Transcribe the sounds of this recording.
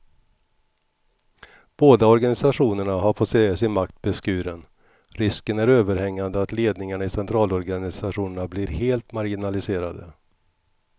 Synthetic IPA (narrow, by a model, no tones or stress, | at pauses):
b̥oːd̪aɔɾɡanɪsaɧuːnəɳaɦaɾfɔt̪seːsɪnmak̚t̪̚bɛskʉ̟ːɾən | ɾɪskənæɾøːvəɾhɛŋːand̪əat̪leːd̪nɪŋaɳaɪsɛnt̪ʰɾɑːlɔɾɡanɪsaɧuːnəɳablɪɾheːlt̪maɾɡɪnalɪseːɾad̪ə̰